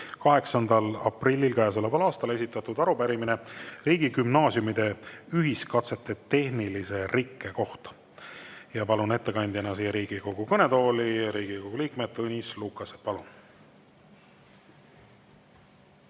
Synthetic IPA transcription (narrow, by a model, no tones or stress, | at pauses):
kɑɦe̞ksɑnd̪̥ɑlɑ̰prilʲːilkæes̬olevɑlɑːst̪ɑle̞sit̪ˑːɑt̪ud̪ɑɾupæɾimineriːɡ̥ikymnɑːsjumid̪̥e̞yɦiskɑt̪se̞t̪ːˑe̞t̪e̞hnilise̞rʔikːˑe̞ko̞ht̪ɑ̥ | jɑpɑlune̞t̪ːe̞kɑjnʲd̪ʲienːɑs̬ijeɾiːɡ̥iko̞ɡ̥ukɤne̞t̪o̞ːliɾiːɡ̥ikoɡ̥uliːkmed̪̥̚t̪ːɤnʲislukːˑɑsepɑlun